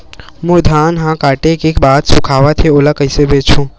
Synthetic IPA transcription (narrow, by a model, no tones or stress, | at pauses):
mʊɾd̪ʱaːnɦãːkaːʈekekbaːt̪sʊkʰaːʋat̪ʰeolakəɪsebeːt͡ʃʰũː